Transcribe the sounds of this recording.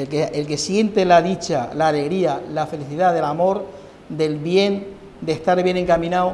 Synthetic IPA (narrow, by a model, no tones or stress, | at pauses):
elkeelke̞sje̞nt̪e̞laðit͡ʃalaːle̞ɣ̞ɾialafe̞liθiðaðe̞lamo̞ɾ | d̪e̞lβje̞n | d̪eht̪aɾβje̞nẽ̞ŋkamĩnaw